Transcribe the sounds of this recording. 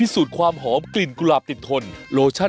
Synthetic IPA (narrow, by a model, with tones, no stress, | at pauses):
i˦˥suː˨˩t̪̚kʰwaː˧mɦɔː˩˦mkli˨˩nku˧laː˨˩p̚t̪i˨˩t̪ʰːo˧nɾoː˧t͡ɕʰa˥˩